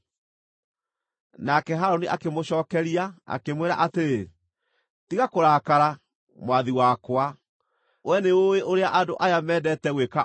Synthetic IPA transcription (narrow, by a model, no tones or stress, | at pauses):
nakɛɦaɾoniʔa̰kemoɕɔːkɛɾiaa̰kemweɾa̰ʔateɾe | tiɣakoɾaːkaɾa | mwaðiwakwa | wɛneoeʔoɾeaʔadoʔajamɛdɛtɛɣweka